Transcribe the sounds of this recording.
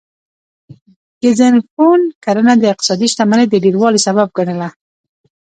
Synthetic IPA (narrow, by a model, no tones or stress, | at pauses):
ɡɪzənfonkaɾənad̪əɪq̚t̪ɪ̥sɑd̪iʃt̪amaned̪ədiɾwɑlisaβab̚ɡənəla